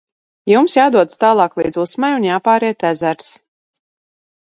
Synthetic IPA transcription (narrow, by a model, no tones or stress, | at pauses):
jumsjaːd̪uɔd̪st̪aːlˠɑːklˠḭːd̪zusmajunjaːpaːɾɛːt̪æzæɾs